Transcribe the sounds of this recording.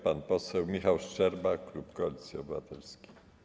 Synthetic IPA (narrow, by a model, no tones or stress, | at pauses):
panpɔsɛwmʲixawʂt͡ʂɛɾbaklupkɔlʲit̪sʲiɔbɘvat̪ɛlskʲe̥